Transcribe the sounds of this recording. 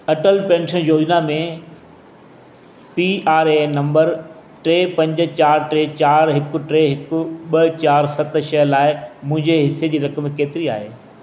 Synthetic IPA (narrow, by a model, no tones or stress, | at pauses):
ɐʈəlpẽːnʃənjoːd͡ʑnamẽ | piaːɾenɐ̃mbəɾ | ʈɾeːpɐ̃ɲd͡ʑʊ̆t͡ɕaːɾʈɾeːt͡ɕaːɾɦɪkʊ̆ʈɾeːɦɪkʊ̆ɓɐt͡ɕaːɾsɐt̪ʃɐlaːɪmʊ̃ɦɪ̃ɲd͡ʑeɦɪsed͡ʑiːɾɐkəmkeːt̪ɪɾia̰ːɦeː